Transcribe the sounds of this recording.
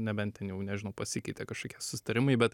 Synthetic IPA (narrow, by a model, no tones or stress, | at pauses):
nʲɛbʲɛnt̪t̪ʲɛnjɛʊnʲɛʒʲɪnɐʊpɐsʲɪkʲɛɪt̪ʲɛkɐʃkoːkʲiɛsʊ̥sʲɪ̥t̪ɐɾʲɪmɐɪbʲɛt̪